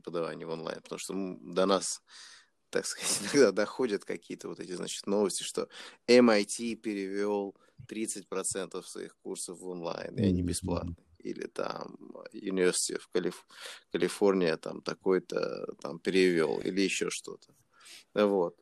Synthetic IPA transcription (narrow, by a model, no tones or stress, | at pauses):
pɾʲɪpəd̪ɐva̰nʲɪjonlˠa̰jnpət̪ɐmuʂt̪omd̪ɐnas | t̪akskəztʲɪnɐɡd̪ad̪ɐxo̞dʲət̪kɐkʲijət̪əvo̞t̪ɛtʲɪzna̰t͡ɕɪ̥t̪no̞vəsʲtʲɪʂt̪o̞ɛmɐjtʲipʲɪɾʲɪvʲo̞lˠ | t̪ɾʲit̪sɨtʲpɾɐt̪sɛnt̪əfsvɐ̰ḭxkursəfvonlˠa̰jnɪ̰ɐnʲibʲɪsplˠa̰t̪̚nɨḭlʲɪ̰t̪ʰa̰mjʊnʲɪvʲɪrsʲɪ̥tʲɪfkəlʲɪfkəlʲɪfo̞rnʲɪjət̪a̰mt̪ɐko̞jt̪ə̰t̪ampʲɪɾʲɪvʲo̞̰lˠḭlʲɪjɪɕːoʂt̪o̞̰t̪ə̥ | vo̞t̪̚